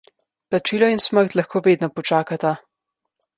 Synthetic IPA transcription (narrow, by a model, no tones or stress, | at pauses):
plat͡ʃiːlɔinsməɾt̪laxkʰoːʋeːd̪nɔpɔt͡ʃaːkat̪a